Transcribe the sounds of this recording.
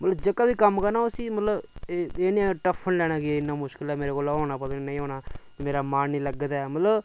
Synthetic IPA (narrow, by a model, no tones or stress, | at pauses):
mət̪ləbd͡ʒəkːaːbiːkəmːkaːnaːʊsĩːmət̪ləbeeːnĩʈəpʰːənlɛːɽ̃aːɡɪɪnːaːmʊʃkəlɛːmeːɾeːkoːlːɦoːɽ̃aːp̬ət̪ːiːnə̃ĩːɦoːɽ̃aː | meːɾaːmaːnnĩːləɡd̪ɛːmət̪ləb